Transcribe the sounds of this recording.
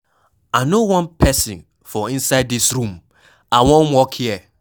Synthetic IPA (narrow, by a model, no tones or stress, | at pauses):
aɪnowãnpʰɛsĩn | fɔĩnsaɪdðisɹũm | ʔawõnwɔkhiɛ